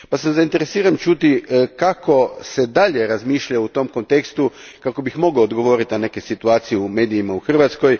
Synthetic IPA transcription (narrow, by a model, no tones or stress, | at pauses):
pasamzaint̪e̞ɾe̞siːɾamt͡ʃuːt̪ikako̞sed̪aʎeɾazmiːʃʎaut̪o̞mko̞nt̪ekst̪u | kako̞bixmo̞ɡoːd̪ɡo̞ʋo̞ɾit̪nane̞kesit̪uaːt̪sijɛume̞ːd̪ijimauxr̩ʋat̪skoj